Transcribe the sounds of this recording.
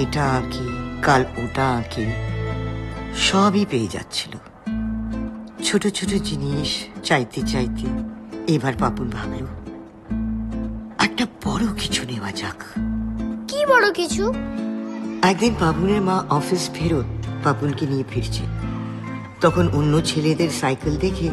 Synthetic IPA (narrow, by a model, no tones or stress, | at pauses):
eʈakʰikaloʈaki | ʃɔbipeed͡ʑa̰tːt͡ɕʰi̥lo | t͡ɕʰoʈot͡ɕʰoʈod͡ʑiniʃt͡ɕajt̪et͡ɕajt̪eebaɾpapunbʱablo | ɛk̚ʈab̥ɔɽokit͡ɕʰunewad͡ʑa̰k | kibɔɽokit͡ɕʰu | ɛk̚d̪inpapuneɾmãʔɔfisfʰeɾot̪̚papunkenijepʰiɾt͡ɕʰḛ | t̪ɔkʰononːot͡ɕʰeled̪eɾsajkeld̪ekʰe